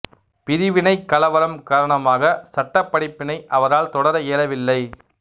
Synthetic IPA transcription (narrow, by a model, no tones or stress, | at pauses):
pɪɾɪʋɪnɐɪkːɐlɐʋɐɾɐmkaːɾɐɳɐmaːɣɐsɐʈːɐpːɐɽɪpːɪnɐɪʔɐʋɐɾaːlt̪ɔɽɐɾɐeːlɐʋɪlːɐɪ